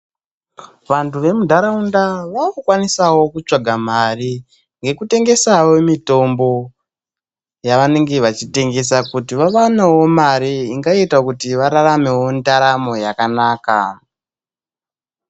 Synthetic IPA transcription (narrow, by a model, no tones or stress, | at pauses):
ʋantuʋe̞mudʱaɾaundaʋaukwanisawo̞kut͡ʂaɡʱamari | ŋɡe̞kute̞ŋɡe̞sawomito̞mbo̞ | jaʋane̞ŋɡe̞ʋat͡ʃite̞ŋɡe̞s̬akutiʋaʋanewo̞maɾiiŋɡaitakutiʋaɾaɾame̞wo̞ndaɾamo̞jakanaːka